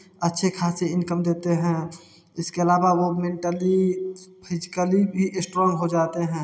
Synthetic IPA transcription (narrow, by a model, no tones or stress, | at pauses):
ətːʃʰekʰaːseɪnkəmd̪eːt̪eɦɛ̃ | ɪskeəlaːbawomẽɳʈəlipʰɪzɪkəlibʱiʔɪsʈɾɔ̃ːŋɡɦod͡ʒaːt̪eɦɛ̃ː